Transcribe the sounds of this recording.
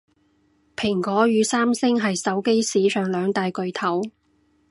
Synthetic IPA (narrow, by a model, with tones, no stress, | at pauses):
pʰɪ˨˩ŋkɔː˨˥jyː˨˧saː˥msɪ˥ŋɦɐ˨jsɐ˨˥wke˥jsiː˨˥sœː˨ŋlœː˨˧ŋt̪aː˨˧jkɵ˨˧ɥt̪ʰɐ˨˥w